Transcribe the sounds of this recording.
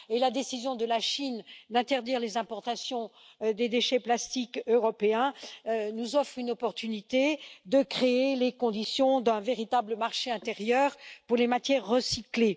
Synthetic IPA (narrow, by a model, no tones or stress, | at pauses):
elad̪esizjɔ̃d̪əlaʃind̪ɛ̃t̪ɛʁd̪iʁlezɛ̃pɔʁt̪asjɔ̃ | d̪ed̪eʃɛplast̪ikøʁɔpeɛ̃nuzɔfχynɔpɔʁt̪ynit̪ed̪əkχeelekɔ̃d̪isjɔ̃d̪ɛ̃veʁit̪abləmaʁʃeɛ̃t̪eʁjœːʁpuʁlemat̪jɛʁːəsikle